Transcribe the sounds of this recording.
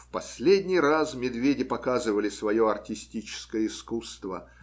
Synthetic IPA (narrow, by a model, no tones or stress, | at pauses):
fpɐsʲlʲedʲnʲɪjrasmʲɪd̪vʲedʲɪpɐkazɨvəlʲɪsvɐjoɐrtʲɪsʲtʲit͡ɕɪ̥skəjəɪskust̪və̰